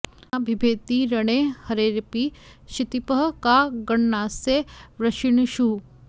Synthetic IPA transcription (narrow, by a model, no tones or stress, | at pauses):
abʱibʱeːt̪iɾɐɳeːhɐɾeːɾpiːʃit̪ipəɦkaɡɐɳːaːseʋɾɐʃiɳʃuː